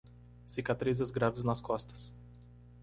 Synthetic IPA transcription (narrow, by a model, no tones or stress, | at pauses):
sikat̪ɾizʲɛzɡɾabznaskɔst̪ɐ̥s